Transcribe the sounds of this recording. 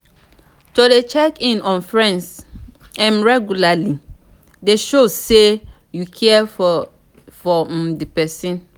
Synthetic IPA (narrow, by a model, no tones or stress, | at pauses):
todet͡ʃɛkĩnɔ̃nfɹɛ̃ns | ɛ̃nɹɛɡjulali | deʃose | jukʰɛɛ | fɔm̩dipɛsĩn